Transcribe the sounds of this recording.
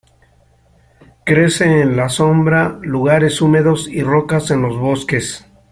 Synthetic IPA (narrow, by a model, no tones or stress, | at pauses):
kɾe̞seːnlaso̞mbɾaluɣaɾe̞sume̞ðo̞siro̞kase̞nlo̞zβo̞ske̞s